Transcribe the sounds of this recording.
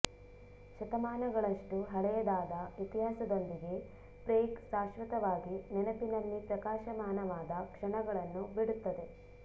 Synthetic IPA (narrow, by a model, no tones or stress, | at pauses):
ʃɐt̪ɐmaːnɐɡɐɭɐʂʈuɦɐɭɛjɐd̪aːd̪ɐʋit̪iɦaːsɐd̪ond̪iɡe̞ | pɾeːksaːʃʋɐt̪ɐʋaːɡinɛnɐpinɐlːipɾɐkaːʃɐmaːnɐʋaːd̪ɐkʂɐɳɐɡɐɭɐnːubiɽut̪ːɐd̪e̞